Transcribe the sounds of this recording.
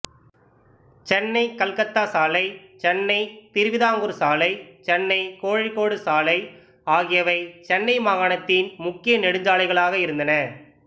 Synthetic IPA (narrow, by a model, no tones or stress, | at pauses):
t͡ʃɛnːɐɪkɐlkɐt̪ːaːsaːlɐɪt͡ʃɛnːɐɪt̪ɪɾɯʋɪðaːŋɡɯɾsaːlɐɪt͡ʃɛnːɐɪkoːɻɪkːoːɽɯsaːlɐɪ | aːɣɪjɐʋɐɪt͡ʃɛnːɐɪmaːɣaːɳɐt̪ːɪnmʊkːɪjɐnɛɽɯɲd͡ʒaːlɐɪɣɐɭaːɣɐɪɾɯnd̪ɐnɐ